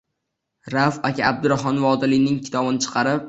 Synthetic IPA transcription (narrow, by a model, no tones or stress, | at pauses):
ɾafakʲʰaːb̚d̪ʊɾaɦɒnvɒd̪ɪlɪnɪŋkʲʰɪ̥t̪ʰɒbɪnɪt͡ʃʰɨ̥qʰɑɾɪp̚